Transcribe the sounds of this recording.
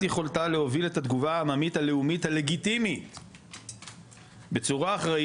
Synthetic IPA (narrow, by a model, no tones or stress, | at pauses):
jeχo̞ltale̞ho̞vile̞tat̪ɡuvaːmamithale̞umithale̞ɡitimit | be̞t͡suʁaːχʁa